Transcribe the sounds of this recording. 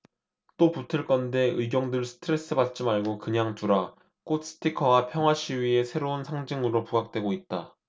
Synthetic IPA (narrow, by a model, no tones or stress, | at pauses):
t͈oputʰɯɭk͈ʌnde̞ɯɡjʌŋdɯɭsʰɯ̥tʰɯɾe̞s͈ɯbat̚t͡ɕ͈imaɭɡokɯɲaŋtuɾa | k͈ot̚s͈ɯ̥tʰikʰʌwapʰjʌŋɦwaɕʰiɥie̞sʰe̞ɾounsʰaŋd͡ʑiŋɯɾopuɦak̚t͈we̞ɡoit̚t͈a